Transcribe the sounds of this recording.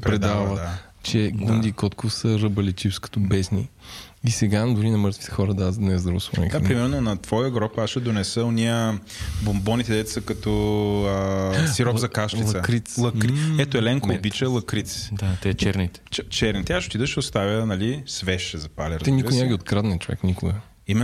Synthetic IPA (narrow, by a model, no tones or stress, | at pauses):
pɾpɛɾɛd̪avə | t͡ʃɛɡund̪iːkɔt̪kofsəɾəbɐlɛt͡ʃifskɐ̥t̪ɔbɛsni | isɛɡad̪ʊɾinɐmɤɾt̪vi̥t̪ɛ̥xɔɾəd̪azd̪nɛzd̪ɾoslˠɔ̰nʲḭk̪apɾimɛɾnonɐt̪vɔjəɡɾɔpasʃɛd̪onɛsəoniə | bombɔnit̪ɛd̪ɛt̪sɐkɐt̪ɔəsiɾɔzɐkaʃt̪ilˠɐkɾit̪slˠɐkɾɛt̪oɛlɛŋkoːbit͡ʃɛlˠɐkɾit̪sd̪at̪ɛt͡ʃɛɾnit̪ɛ̥t͡ʃt͡ʃɛɾnit̪ɛaʃot̪id̪əʃɛʊst̪avʲənɐlisvɛʃɛzɐpalʲɐɾɛnikʊnaməɡʲiot̪kɾad̪nɛnt͡ʃovɛ̰knikʊɡə | imɛ